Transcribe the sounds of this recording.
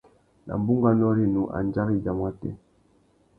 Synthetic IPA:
na̰˨m˨bu˦ŋɡa˦˨n˦ɔ˦ɾi˨nu˨ʔa̰˨nd͡ʒa˦ɣi˦˨d͡ʒa˨mwa˦tɛ̰˦˨

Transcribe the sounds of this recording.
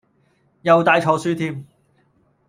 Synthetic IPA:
jɐ˨wt̪aː˨jt͡ʃʰɔː˨˧syː˥t̪ʰiː˥m

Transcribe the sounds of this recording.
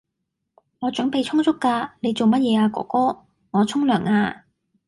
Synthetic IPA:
ŋɔː˨˧t͡ʃɵ˨˥ŋpe˨jt͡sʰʊ˥ŋsʊ˥kːaː˧ne˨˧jt͡so˨wmɐ˥t̚jɛː˨˧aː˧kɔ̰ː˨˥kɔː˥ | ŋɔː˨˧t͡sʰʊ˥ŋlœː˨˩ŋaː˧

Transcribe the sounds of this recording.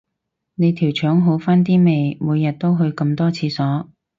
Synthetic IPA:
ne˨˧jt̪ʰiː˨˩wt͡ʃʰœː˨˥ŋɦo˨˥wfaː˥nt̪̬iː˥me˨˧jmuː˨˧jːɐ˨t̚t̪o˥wɦɵ˧ɥkɐ˧mt̪ɔː˥t͡sʰiː˨˧sɔː˨˥

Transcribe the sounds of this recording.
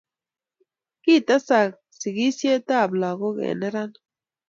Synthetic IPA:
ki˦˨ta˦sa˨k̚ | si˨ɣi˦sje˦ta˦˨bla˨ɣo˦kḛ˨nɛ˦ɾa˦n

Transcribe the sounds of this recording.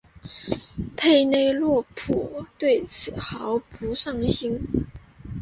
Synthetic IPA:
pʰe˥˧ɪne˥ɪlwɔ˥˧˩pʰu˨˥˩t̪we˥˩ɪt͡sʰɹ̩˨˩xɑ˧˥ʊpu˧˥ʂɑ˥˩ŋɕi˥n

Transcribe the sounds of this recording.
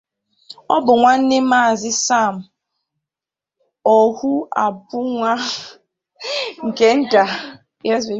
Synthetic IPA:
ɔ̰˦bʊ˨ŋʷa˦n̩˦ne˦maː˦˨zɪ˦sa˦˨m̩˨ | ɔ˨hu˦a˨pʊ˦ŋʷa˦ | ŋ̩˨ke˨n̩˦ta˨ | ja˦ze˦

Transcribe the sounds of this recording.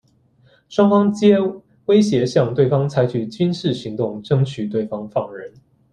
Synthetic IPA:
ʂwɑ˥ŋfɑ˥ŋt͡ɕjɛ˥ | we˥ɪɕjɛ˧˥ɕjɑ˥˧ŋt̪we˥˩ɪfɑ˥ŋt͡sʰa˧˥ɪt͡ɕʰy˨˩t͡ɕy˥nʂɻ̩˥˨ɕi˧˥ŋt̪ʊ˥˩ŋʈ͡ʂɤ˥ŋt͡ɕʰy˨˩t̪we˥˩ɪfɑ˥ŋfɑ˥˩ŋɻə˧˥n

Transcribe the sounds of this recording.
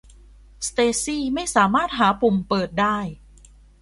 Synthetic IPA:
st̪eː˧siː˥˩ma˥˩jsaː˩˦maː˥˩t̪̚ɦaː˩˦pʰu˨˩mpɤː˨˩t̪̚daː˥˩j

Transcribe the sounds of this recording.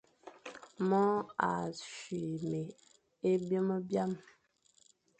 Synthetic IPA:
mɔ˦a̰˨ʃɥi˨me˨ | e˦bə˦mə˦bja˦m

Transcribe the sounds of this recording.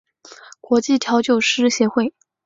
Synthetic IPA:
kwɔ˧˥t͡ɕi˥˩t̪ʰjɑ˧˥ʊt͡ɕjo˥˩ʊʂɻ̩˥ɕjɛ˧˥xwe˥˩ɪ

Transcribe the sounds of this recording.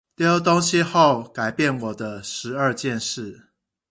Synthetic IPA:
t̪jo˦˥ʊt̪o˦ŋɕi˦xo˥˨ʊka˨˩ɪpjɛ˥˨nwɔ˨˩d̪ə˦ʂɻ̩˨˧˦ə˥˧t͡ɕjɛ˥˨nʂɻ̩˥˨

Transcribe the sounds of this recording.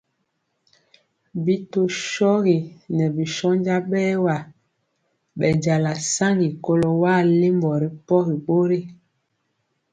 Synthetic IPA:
bi˦to˨ʃɔ˦ɣi˨nɛ˨bi˨ʃɔ˦nd͡ʒa˦ɓɛː˦wa˨ | ɓɛ˨d͡ʒa˨la˨sa˦ŋɡi˨ko˦lo˨waː˦˨le˦mbɔ˨ɾi˦pɔ˦ɣi˨ɓo˦ɾi˦

